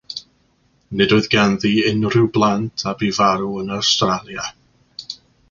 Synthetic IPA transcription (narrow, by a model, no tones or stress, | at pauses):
nɨdʊɨðɡanðiːɪnrɪwblˠantʰabivaɾuənawstralˠja